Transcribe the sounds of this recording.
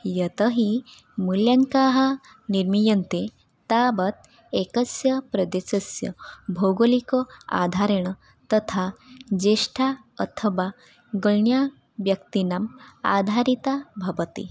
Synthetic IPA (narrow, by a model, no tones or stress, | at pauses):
jət̪əɦi | muljaŋkaɦə | niɾmijənt̪e | t̪abət̪̚ | ekəsjəpɾəd̪esəsjə̰bʱoɡolikoa̰d̪ʱaɾeɽ̃ | t̪ət̪ʰad͡ʑeʂʈʰa | ət̪ʰəʋa | ɡəɭɳja | ʋjəkt̪inama̰d̪ʱaɾit̪abʱɐʋət̪ḭ